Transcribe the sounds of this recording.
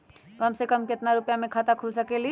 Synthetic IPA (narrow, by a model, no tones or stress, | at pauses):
kɐmsekəmkɪt̪naɾʊpjamẽkʰaːt̪akʰʊlsɐkeli